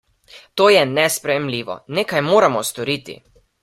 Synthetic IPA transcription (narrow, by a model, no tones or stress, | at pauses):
t̪oːjɛnɛspɾɛjɛmliːʋɔ̰neːkajmoːɾamɔst̪ɔɾiːt̪ḭ